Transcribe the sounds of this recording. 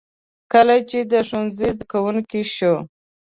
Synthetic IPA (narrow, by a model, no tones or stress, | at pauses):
kəlat͡ʃed̪əʂunzizd̪əkawunkiʃo